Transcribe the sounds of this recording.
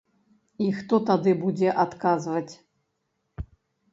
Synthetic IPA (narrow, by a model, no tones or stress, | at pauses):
ixt̪ɔt̪ad̪ɨbud͡zʲɛʔat̪kazvɐt͡sʲ